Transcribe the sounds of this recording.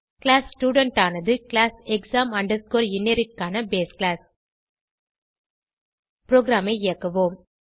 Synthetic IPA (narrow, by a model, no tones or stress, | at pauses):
klaːssʈjuːɽɐɳʈaːnɐðɯkɪlaːsɛksaːmɐɳɖɐɾskoːɾɪnːeɾɯkːaːnɐbeːsklaːs | pɾoːɡɾaːmɐɪeːɐkːɐʋoːm